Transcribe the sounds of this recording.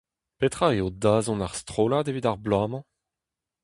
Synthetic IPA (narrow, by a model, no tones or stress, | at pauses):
pet̪χaeodaːzɔ̃naʁst̪χoːlaːdevidaʁblaːmɑ̃